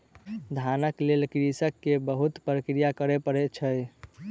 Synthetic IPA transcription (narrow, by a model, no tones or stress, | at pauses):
d̪ʱanəklelkɾisəkːebəɦut̪pɾəkɾijakəɾepəɾet͡ʃʰəj